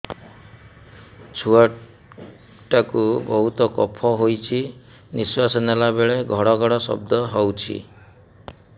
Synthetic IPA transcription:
t͡ʃʰua | ʈakubɔɦut̪ɔkɔpʰɔɦojt͡ʃʰi | niswasɔnelabeɭeɡʱɔɽɔɡʱɔɽɔsɔ̰bd̪ɔɦɔwt͡ʃʰḭ

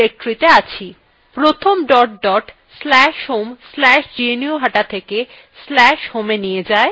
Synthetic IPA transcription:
ek̚ʈɾit̪eat͡ɕʰi | pɾot̪ʰomɖɔʈɖɔʈ | slɛʃɦomslɛʃd͡ʑienioɦaʈat̪ʰeke | slɛʃhomenijed͡ʑae

